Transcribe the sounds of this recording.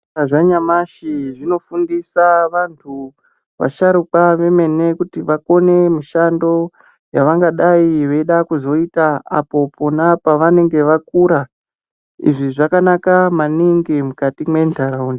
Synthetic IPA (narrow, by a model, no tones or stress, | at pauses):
aʐaɲamaʃiʐino̞fundisaʋantʰu | ʋa̰ʃaɾukaʋe̞me̞ne̞kutiʋako̞ne̞miʃando̞ | jaʋaŋɡaɗaiʋe̞ɗakuzo̞itaa̰po̞pʰonapaʋane̞ŋɡe̞ʋakuɾa | ḭʐiʐakanakamaniŋɡemukatimwe̞ntaɾaund